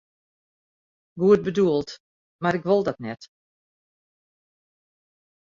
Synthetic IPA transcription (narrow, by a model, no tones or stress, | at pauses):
ɡuət̚bəduəlˠt | maɾɪkʋolˠdɔtnɛt